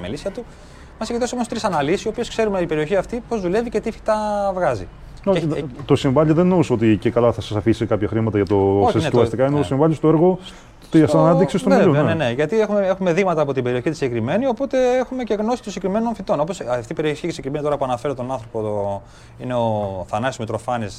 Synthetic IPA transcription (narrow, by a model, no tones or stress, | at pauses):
melisɐt̪u | mɐsiɡt̪osomost̪ɾisɐnɐlisisio̞pio̞skse̞ɾumet̪ipe̞ɾio̞çiɐft̪ipo̞zðule̞vice̞t̪ifi̥t̪ɐvɣɐzḭ | ot̪o̞siɱvɐʎiðenːouso̞t̪icekɐlɐθɐsɐsɐfisikɐpçɐxɾimɐt̪ɐʝɐt̪ooçsnet̪vɐst̪ikɐineoosimvɐʎist̪oeɾɣo̞ | t̪isnɐiksist̪oieunene̞ʝɐt̪iexumeexume̞ðiɣmɐt̪ɐːpo̞t̪ibe̞ɾio̞çit̪isɲɟekɾime̞nio̞po̞t̪e̞exume̞ceɣno̞si̥t̪osiɟekɾime̞no̞nfit̪o̞no̞po̞sɐft̪ipe̞ɾioççisiɟekɾime̞nit̪oɾɐpuɐnɐfe̞ɾot̪o̞nɐnθɾo̞po | ineoθɐnɐsmet̪ɾo̞fɐnis